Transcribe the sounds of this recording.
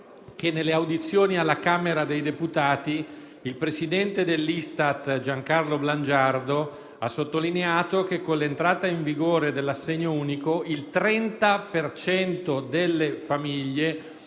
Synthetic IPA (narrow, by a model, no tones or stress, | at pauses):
kenːelːeawd̪it̪sːjoːnialːakaːmeɾad̪ejd̪eput̪aːt̪i | ilpɾesid̪ɛnt̪ed̪elːist̪at̪d͡ʒaŋkarlobland͡ʒard̪o | asːot̪ːolineaːt̪ok̟ekːonlːent̪ɾaːt̪aiɱviɡoːɾed̪elːasːeɲːouːnikoilt̪ɾɛnt̪apert͡ʃɛnt̪od̪elːefamiʎːe